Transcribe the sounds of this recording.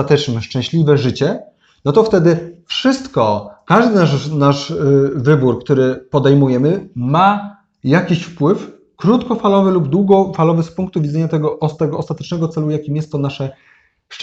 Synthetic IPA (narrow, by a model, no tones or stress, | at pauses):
at̪ɛt͡ʂʂt͡ʂɛ̃ɕlʲivɛʐɘt͡ɕɛ | nɔt̪ɔft̪ɛd̪ɘfʂɘst̪kɔkaʐd̪ɘnaʂnaʂvɘbuɾkt̪uɾɘpɔd̪ɛjmujɛmɘma | jakʲiɕfpwɘf | kɾut̪kɔfalɔvɘlubd̪wuɡɔfalɔvɘspuŋk̚t̪uvʲidzɛɲat̪ɛɡɔʔɔst̪ɛɡɔɔst̪at̪ɛt͡ʂnɛɡɔt̪sɛlujakʲimjɛst̪ːɔnaʂɛ | ʂ